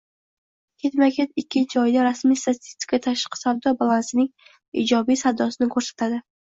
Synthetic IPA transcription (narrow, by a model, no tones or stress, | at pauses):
kʲʰet̪makʲet̪ɪkʲʰːɪd͡ʒɒjɪd̪aɾasmijst̪at̪ʰi̥st̪ʲɪ̥kʰʲat̪ʰaʃqʰɪ̥sawd̪ɒbalˠansɪnɪŋ | ḭd͡ʒɒbijsawd̪ɒsɪnɪkʰɵɾsḁt̪ʰad̪ɪ